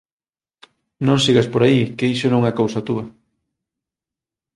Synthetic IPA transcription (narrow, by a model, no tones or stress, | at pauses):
nõŋsiɣaspoɾaikejʃonoŋɐkowsɐt̪uɐ